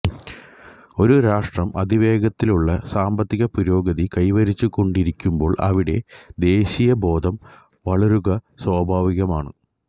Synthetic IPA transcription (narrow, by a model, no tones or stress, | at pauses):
o̞ɾuɾaːʂʈrɐmɐd̪ʱiʋe̞ːɡɐt̪ːiluɭːɐsaːmbɐt̪ːiɣɐpuɾo̞ːɡɐðikɐjʋɐɾit͡ɕːukːo̞ɳɖiɾikʲːumbo̞ːɭʔɐ̰ʋiɽe̞d̪e̞ːɕijɐbʱo̞ːd̪ʱɐm | ʋɐɭɐɾuɣɐswaːbʱaːʋiɣɐmaːɳɨ̰